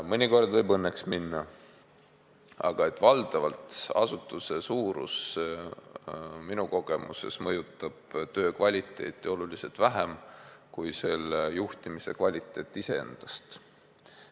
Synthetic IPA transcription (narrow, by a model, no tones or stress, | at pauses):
mɤnʲiko̞rd̪vɤjbɤnːeksminːɑ | ɑ̰ɡ̥ɑe̞t̪ːvɑld̪̥ɑvɑlt̪ɑ̰sut̪ːˑuse̞suːɾṵs | minuko̞ɡ̥e̞mʔṵse̞̰smɤjut̪ˑːɑb̥t̪ø̞ːkvɑlʲit̪ːˑe̞̰ːt̪ːˑio̞luliselt̪væɦemkujse̞lejuht̪imise̞̰kvɑlʲit̪ːˑe̞ːt̪ːˑise̞ḛnd̪̥ɑst̪